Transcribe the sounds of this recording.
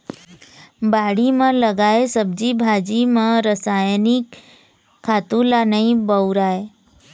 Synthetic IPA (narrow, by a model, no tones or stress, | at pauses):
baːɽimãləɡaːesəb̚d͡ʒibʱad͡ʒimãɾəsajnikʰː | aːt̪ũlanəĩbəuɾaːe